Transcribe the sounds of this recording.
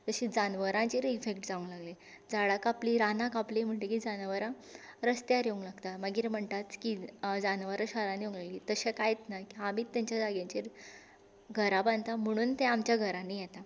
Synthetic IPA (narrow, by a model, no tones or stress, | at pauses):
t̪əɕid͡zanʋəɾãt͡ɕeɾifekʈd͡zaũŋlaɡle | d͡zaɽakapliɾanakaplim̤əɳʈekid͡zanʋəɾã | ɾəst̪jaɾjeuŋɡlaɡt̪aməɡiːɾm̤əɳt̪at͡skid͡zanʋəɾaɕaɾãnjeuŋɡlaɡlit̪əɕekajet͡s̪nakiamiːt̪ːjaɲt͡ɕjad͡zaɡjãɲt͡ɕiɾ | ɡʱəɾaband̪t̪am̤əɽ̃uːnt̪ɛ̃amt͡ɕjaɡʱəɾãnijɛt̪a